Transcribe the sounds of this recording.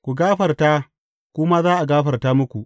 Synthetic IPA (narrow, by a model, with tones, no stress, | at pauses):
kʷu˨ɡaː˦ɸɐ˨rta˦ | kʷʊ˦maː˦zaː˦ʔa˨ɡaː˦ɸɐ˨rtaː˦mʊ˦kʷu˨ʔ